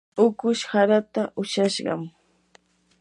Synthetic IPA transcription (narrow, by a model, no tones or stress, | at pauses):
ʊkʊʃhaɾat̪aʔʊʃaʃɢɑ̰m